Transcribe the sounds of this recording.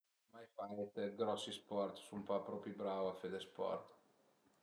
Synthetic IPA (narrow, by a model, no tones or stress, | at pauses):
majfajet̪eɡɾɔsːispɔrt̪sumpapɾɔpibɾavafed̪espɔ̰rt̪